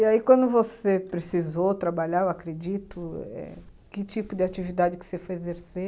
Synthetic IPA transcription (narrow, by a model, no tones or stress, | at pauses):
iaikwɐ̃nd̪ʊvosepɾesizot̪ɾabaʎaɾewakɾed͡ʒit̪ʊɛ̰ | kɪt͡ʃipʊd̪ɪat͡ʃivid̪ad͡ʒɪkɪ̥sefojezeɾse